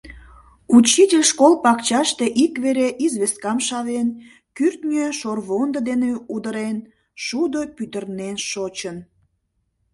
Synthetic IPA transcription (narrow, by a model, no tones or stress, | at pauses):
ut͡ɕitʲelʲʃkolpɑkt͡ɕɑʃt̪eʔikβeɾeʔizβeskɑmʃɑβen | kyrt̪nʲøʃorβond̪əd̪eneud̪əɾen | ʃud̪opyt̪ərnenʃot͡ɕən